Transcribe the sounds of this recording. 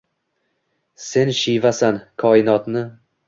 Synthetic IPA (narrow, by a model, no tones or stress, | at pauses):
se̞nʃijvasankʰɒːɪnɒt̪nɪ